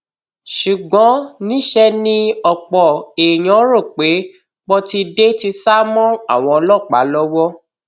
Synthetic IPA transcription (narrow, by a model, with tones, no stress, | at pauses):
ʃu˨ɡ͡bɔ̃˨˦nĩ˦ʃɛ˦nĩ˦ɔ˧k͡pɔ˨e˨j̃ɔ̃˨˦ɾo˦˨k͡pe˨˦ | k͡pɔ˦ti˧de˦ti˧sa˦mɔ̃˦a˦˨w̃ɔ̃˧lɔ˦˨k͡pa̰˨˦lɔ˦wɔ˦